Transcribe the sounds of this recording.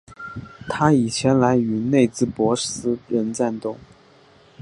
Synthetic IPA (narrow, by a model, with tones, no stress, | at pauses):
t̪ʰa˥i˨˩t͡ɕʰjɛ˧˥nla˧˥ɪy˧˥ne˥˧ɪt͡sɹ̩˥˩pwɔ˧˥sɹ̩˥ɻə˧˥nt͡sa˥˧nt̪ʊ˥˩ŋ